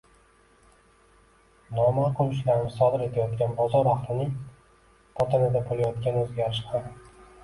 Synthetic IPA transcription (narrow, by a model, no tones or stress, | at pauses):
nɒmaqʰʊlʊʃlaɾɪmɪsɒd̪ɪɾe̞t̪ʰajɒt̪kʲanbɒzɒɾaχlˠɪnɪŋ | pʰɒt̪ʰanɪd̪abolˠajɒt̪kʲanɵzɡʲaɾɪʃhʰam